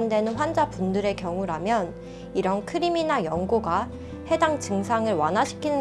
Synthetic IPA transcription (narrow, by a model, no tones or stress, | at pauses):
nde̞nɯnɸwand͡ʑapundɯɾe̞kjʌŋuɾamjʌn | iɾʌnkʰɯɾiminajʌŋɡoɡa | he̞daŋt͡ɕɯŋsʰaŋɯɭwanaɕʰi̥kʰinɯ